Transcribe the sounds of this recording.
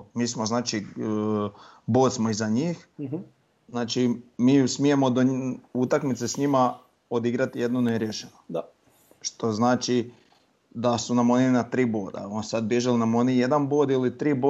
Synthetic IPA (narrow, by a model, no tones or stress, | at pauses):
miːsmo̞znaːt͡ʃi | boːd̪smoizaɲiːx | znaːt͡ʃimiːsmije̞mo̞d̪out̪akmit̪sesɲima | o̞d̪iɡɾat̪ije̞d̪noneɾjeʃeno | ʃt̪o̞znaːt͡ʃi | d̪asunamo̞ninat̪ɾiːboːd̪a̰onsad̪̚bje̞ʒelinamo̞nije̞d̪anboːd̪ilit̪ɾiːbo